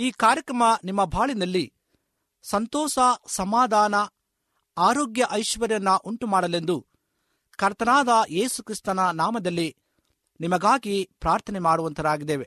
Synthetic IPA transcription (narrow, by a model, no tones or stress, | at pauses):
iːkaːɾjɐkɾɐmɐnimːɐbʱaːɭinɐlːi | sɐnt̪ɔːʃɐsɐmaːd̪ʱaːnɐ | aːɾoːɡjɐʔɐjʃʋɐɾjɐnːɐʔuɳʈumaːɽɐle̞nd̪u | kɐɾt̪ɐnaːd̪ɐe̞ːsukɾist̪ɐnɐnaːmɐd̪ɐlːi | nimɐɡaːɡipɾaːɾt̪ʰɐnɛmaːɽuʋɐnt̪ʰɐɾaːɡid̪eːʋe